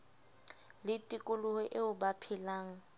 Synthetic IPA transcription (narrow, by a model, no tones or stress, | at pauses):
lɪtʼikʼʊlʊhɛʔeʊbapʰɪlaːŋ̩